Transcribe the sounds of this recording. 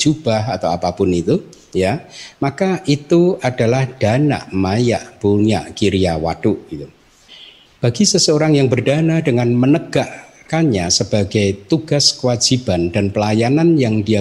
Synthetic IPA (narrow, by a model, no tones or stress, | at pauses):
d͡ʒub̥ahat̪awapapʊnit̪u | jamakaʔit̪uadalahd̥ana̰ʔmaja̰ʔb̥uɲaʔkiɾiawa̰duʔɡ̥it̪u | b̥aɡisəsəoɾaŋjaŋbərd̥anadəŋanmənəɡ̥aʔkaɲasəb̥aɡajt̪uɡ̥askəwad͡ʒ̥ib̥andanpəlajananjaŋdia